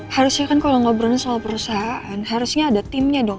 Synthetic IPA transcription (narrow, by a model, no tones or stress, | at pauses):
haɾʊsɲakankaloŋobɾanasalapəɾusaɦaʔanɦaɾusɲaːdat̪ɪmɲadɔŋ